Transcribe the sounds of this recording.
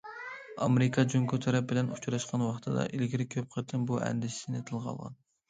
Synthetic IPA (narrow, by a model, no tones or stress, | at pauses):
ɑmeɾɪkʰɑd͡ʒuŋkut̪ʰɑɾɑp̚bɪlɛnut͡ʃʰɾɑʃqɑnwɑχt̪ʰɨd̪ɑ̰ʔilɡʲiɾɪkʲʰøp̚qʰət̪ʰɨnbuʔɛ̰nd̪ɪʃsɪnɪt̪ʰɨlˠqʰɑ̰lˠʁɑ̰n